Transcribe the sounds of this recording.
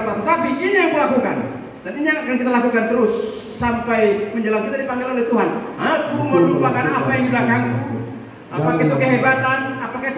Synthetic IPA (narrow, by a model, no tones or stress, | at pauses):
at̪ət̪apiinajaŋməlakuka̰n | d̥aniɲaaakaŋkit̪alakukant̪əɾʊsː | ampajməɲd͡ʒəlaŋkit̪adipaŋɡelolɛht̪uɦanakuməmɾupakana̰pajaŋdiblakaŋku | a̰pakait̪ukəɦebat̪anapaka